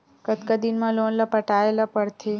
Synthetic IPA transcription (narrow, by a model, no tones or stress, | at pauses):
kət̪kad̪inmãlonlapəʈaelapəɽt̪ʰe